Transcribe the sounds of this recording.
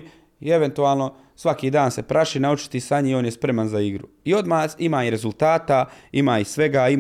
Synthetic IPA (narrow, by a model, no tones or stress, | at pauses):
ie̞ʋe̞nt̪uaːlˠno | sʋakiːd̪aːnse̞pɾʔaʃinaut͡ʃi̥t̪isaɲio̞ːnjespɾe̞manzaiɡɾṵ | io̞d̪maːsimaːiɾe̞zult̪aːt̪aimaːisʋe̞ɡaːi